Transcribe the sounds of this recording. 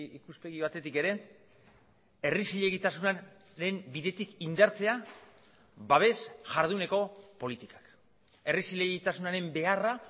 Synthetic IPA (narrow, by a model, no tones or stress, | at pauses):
ikuspe̞ɣiβat̪e̞t̪ike̞ɾe̞ | e̞risiʎe̞ɣit̪asuna | ɾe̞mbiðe̞t̪ikind̪aɾt͡se̞a | βaβ̞e̞sʝaɾð̞une̞ko̞po̞lit̪ikḁk | e̞risiʎeɣit̪asunaɾe̞mbe̞ara